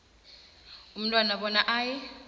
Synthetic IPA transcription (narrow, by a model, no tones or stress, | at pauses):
um̩tʼwanaɓɔnaʔaːjɛ